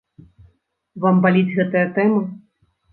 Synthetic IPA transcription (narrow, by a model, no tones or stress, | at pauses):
vambalʲid͡zʲɣɛt̪ɨjɐt̪ɛmɨ